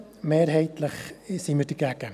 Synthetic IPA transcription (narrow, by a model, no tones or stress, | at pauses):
meːɾɦɛɪtləχsiməɾd̥əɡ̥æɡ̥ə